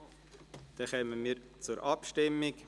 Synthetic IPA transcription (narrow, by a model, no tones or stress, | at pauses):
d̪̥ɛxɛːmənmiːɾ | t͡suɾʔɑpʃtɪmɪk